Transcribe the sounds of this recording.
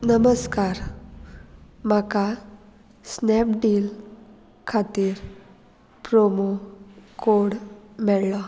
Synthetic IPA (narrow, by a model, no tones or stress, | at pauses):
nəməskaɾ | maka | snɛpɖiːl | kʰat̪iːɾ | pɾomokoɽmɛɭla